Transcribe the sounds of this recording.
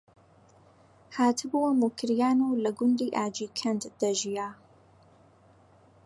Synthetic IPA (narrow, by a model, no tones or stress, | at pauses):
haːt̪ʰɨbuwɐmukʰɾjaːnuwlɐɡʊnd̪iːʔaːd͡ʒiːkʰɐnd̪d̪̥ɐʒijaː